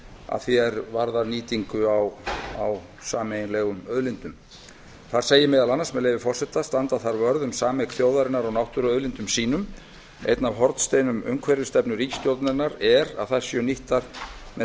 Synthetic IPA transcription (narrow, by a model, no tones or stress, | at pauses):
a̰ðθiɛɾvaɾðaɾniːt̪iŋkʏawaw | saːmejnlɛɣʏmœðlɪnt̪ʏm | θaɾ̥seːjɪmɛðalanːasmɛðleːjvɪfɔr̥sɛht̪ast̪ant̪aθaɾvœɾðʏmsaːmɛkθjoːwðaɾɪnaɾɔɣnawht̪ʏɾœðlɪnt̪ʏmsiːnʏm | ḛjt̪navɦɔɾt̪st̪ejnʏmœ̰ɥŋkʰvɛɾʏ̥st̪ɛpnʏɾicst̪jow̪t̪nɪɾnaɾɛɾa̰ðθajɾ̥sjœːniht̪aɾmɛ